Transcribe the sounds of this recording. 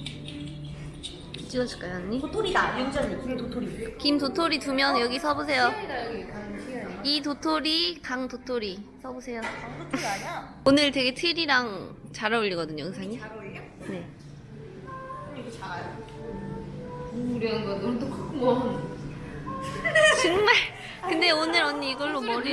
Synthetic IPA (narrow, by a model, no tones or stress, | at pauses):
kit͡ɕ͈iʌɕʰi̥ɭk͈ajoaɲːitotʰoɾidaaɲʌŋd͡ʑʌɲkitotʰoɾiekimtotʰoɾitumjʌnjʌɡisʰʌbosʰe̞joidaaiitotʰoɾikaŋtotʰoɾisʰʌbosʰe̞joaŋotʰaɲa | onɯɭtwe̞ɡe̞tʰiɾiɾaŋt͡ɕaɾʌuʎːiɡʌdɯɲoɯŋsʰaɲiɾ | ne̞ | it͡ɕa | uuɾjʌnɡʌdotokomʌn | t͡ɕoŋmaɭ | kɯnde̞onɯɾʌniiɡʌɭːomʌɾi